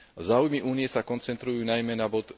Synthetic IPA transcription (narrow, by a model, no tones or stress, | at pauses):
zaːujmiʔuːnijɛsakɔnt͡sɛnt̪ɾujuːnajmɛnabɔt̪